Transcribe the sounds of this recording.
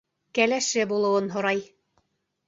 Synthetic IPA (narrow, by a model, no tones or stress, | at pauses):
kælæʃɘbulˠɤ̆wɤnɦŏɾɑj